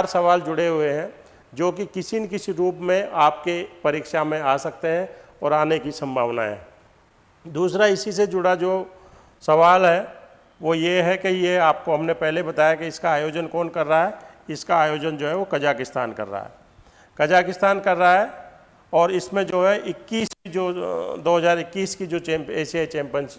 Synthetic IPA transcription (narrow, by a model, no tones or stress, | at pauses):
ɾsɐʋaːld͡ʒʊɽeɦʊeɦɛ̃ | d͡ʒoːkikɪsinkɪsiɾuːpmẽʔaːp̚kepɐɾiːkʃamẽaːsɐk̚t̪eɦɛ̃ | ɔːɾaːnekisɐ̃mbʱa̰ːʋna̰ɦɛ̰̃ː | d̪uːsɾaɪsised͡ʒʊɽad͡ʒoː | sɐʋaːlɦɛ | ʋojeɦɛkejeaːp̚koɦɐmnepɛɦlebɐt̪aːjakeɪskaːjoːd͡ʒənkɔːnkɐɾːaɦɛ | ɪskaːjoːd͡ʒənd͡ʒoːɦɛʋokɐd͡ʒaːkɪst̪a̰ːnkɐ̰ɾːa̰ɦɛ̰ː | kɐd͡ʒaːkɪst̪aːnkɐɾːaɦɛ | ɔːɾɪsmẽd͡ʒoːɦɛʔɪkːiːskid͡ʒoːd̪oːɦɐzaːɾɪkːiːskid͡ʒoːt͡ʃẽːmpeːsiaːit͡ʃẽːmpjəns